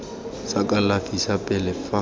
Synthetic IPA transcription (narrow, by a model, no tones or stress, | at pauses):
sakʼalafisapʼɛlɛfa